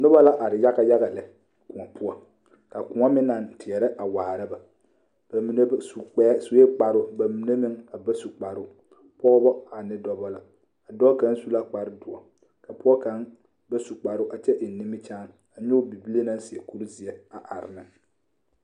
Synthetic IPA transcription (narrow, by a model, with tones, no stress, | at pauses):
nʊ˦ba˦la˦ʔa˨ɾɪ˨ja˦ɣa˦ja˦ɣa˨lɛ˨ | kʊ˨a˨pʰʊ˦ɔ˦ | ka˨kʊ˨ŋa˦mɪ˦na˨ntɪ˨ɛ˨ɾɛ˦ʔa˨wa˨ha˨ɾa˦ba˨ | mi˨n˦u˨˦su˨˦e˦k͡pa˨ɾʊ˦ba˨mi˨ne˦mɪ˦ŋa˨ba˦su˨k͡pa˨ɾʊ˦ | pɔ˦ɣbɔ˦a˨nɪ˦dɔ˦bɔ˦la˨ | a˨dɔ˦ka˦n˦su˦la˦k͡pa˨ɾɪ˦dʊ˨ɔ˨ | ka˨pʊ˦ɔ˦ka˨˦n | ba˦su˨k͡pa˨ɾʊ˦ʔa˨t͡ʃɛ˦ʔɪ˨n˨nɪ˦mɪ˦t͡ʃaː˦n˨a˨ɲo˦bi˨bi˦le˦na˦nsɪ˨ɛ˨ku˦ɾu˦zɪ˨ɛ˦a˨ʔa˨ɾɪ̰˨nɪ˦